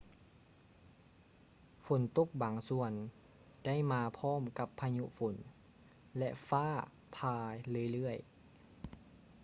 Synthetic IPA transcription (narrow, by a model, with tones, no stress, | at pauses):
fo˨˦nt̪o˧˥˨k̚baː˨˦ŋsu˧ən | d̥a˥˨jmaː˧pʰɔː˧˥˨mka˧˥pʰːa˧ɲu˧˥ʔfo˨˩˦n | lɛ˧ʔfaː˥˩ | pʰaː˧lɯː˧˩˨jlɯ˥˩əj